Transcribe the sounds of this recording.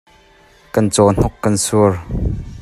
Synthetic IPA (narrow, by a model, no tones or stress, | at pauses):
kɐnt͡sɔn̥ɔkːɐnsuər